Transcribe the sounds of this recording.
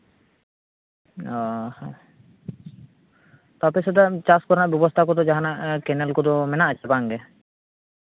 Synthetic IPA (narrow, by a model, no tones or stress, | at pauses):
ɔ | t̪apɛsɔd̪at͡ʃaskɔɾnaʔbjɔbɔst̪ʰakɔd̪ɔd͡ʒaɦanaʔkɛnɛlkɔd̪ɔmɛnaʔat͡ʃʰɛbaŋɡɛ